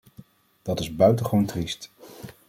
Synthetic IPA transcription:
d̥ɑtɪzbœɥtəχʋowntrist

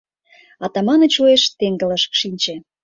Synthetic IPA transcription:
ɑt̪ɑmɑnə̆t͡ɕueʃt̪eŋɡə̆ləʃkʃinʲt͡ɕĕ

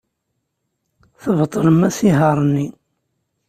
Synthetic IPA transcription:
θəvt̪ˤːləmːæsiɦɑɾˤənːi

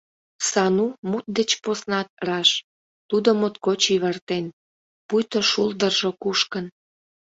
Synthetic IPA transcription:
sɑnumut̪̚d̪et͡ɕposnɑt̪̚rɑʃ | t̪ud̪omot̪kot͡ɕiβərt̪en | pujt̪oʃuld̪ərʒokuʃkən

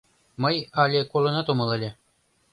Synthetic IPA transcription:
mɤjɑlʲekolˠɤ̆nɑt̪omɤ̆lˠɤ̆lʲe

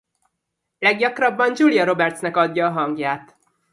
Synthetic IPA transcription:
lɛɡjɒkrɒbːɒnd͡ʒulijɒɾo̞bɛrt̪snɛkɒd̪ːɒːɦɒŋɡjaːt̪

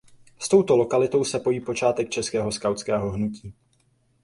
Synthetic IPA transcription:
st̪o̞wt̪o̞lo̞kalɪt̪o̞wsɛpo̞jiːpo̞t͡ʃaːt̪ɛk̚t͡ʃɛskɛːɦo̞skawt̪t͡skɛːɦoɦnuciː

